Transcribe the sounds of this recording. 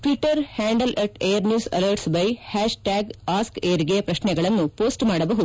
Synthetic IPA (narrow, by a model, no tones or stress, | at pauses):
ʈʋiʈːɐɾhaːɳɖɐlʔɐʈejɐɾnjuːsɐ̰lɐɾʈsbɐjhaːʃʈaːɡaːskeːɐɾiɡejɐpɾɐʃnɛɡɐɭɐnːupoːsʈmaːɽɐbɐɦud̪u